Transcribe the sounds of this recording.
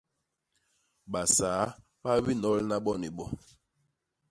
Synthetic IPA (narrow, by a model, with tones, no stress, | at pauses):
ɓa˨saː˨˦ | ɓa˦bi˦nɔ˦lna˦ɓɔ˦ni˨ɓɔ˦